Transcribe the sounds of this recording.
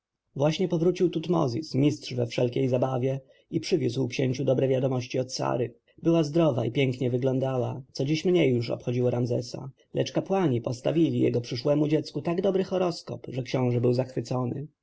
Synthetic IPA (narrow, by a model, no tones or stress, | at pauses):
vwaɕɲɛpɔvɾut͡ɕiwt̪ut̪mɔ̰zʲismʲistʂvɛfʂɛlkʲejzabavʲjɛ | ipʂɘvʲjuswkɕeɲt͡ɕud̪ɔbɾɛvʲjad̪ɔmɔɕt͡ɕiɔt̪sa̰ɾɘ | bɘwazd̪ɾɔva̰ipʲjɛŋkɲɛvɘɡlɔnd̪awat̪sɔd͡ʑiɕmɲejːuʂɔ̰pxɔd͡ʑiwɔɾamzɛ̰sa̰ | lʔɛt͡ʂkapwaɲipɔst̪avʲilʲijɛ̰ɡɔpʂɘʂwɛmud͡ʑɛt̪skut̪aɡd̪ɔbɾɘxɔɾɔskɔ̰pʐɛkɕɔ̃w̃ʐɛbɘwzaxfɘt̪sɔnɘ̰